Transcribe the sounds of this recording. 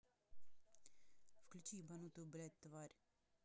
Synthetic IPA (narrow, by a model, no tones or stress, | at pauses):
fklʲut͡ɕibɐnut̪ublʲɛt̪ːvaɾʲ